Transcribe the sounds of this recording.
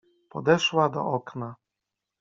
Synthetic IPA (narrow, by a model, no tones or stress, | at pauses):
pɔd̪ɛʂwad̪ɔ̰ʔɔkna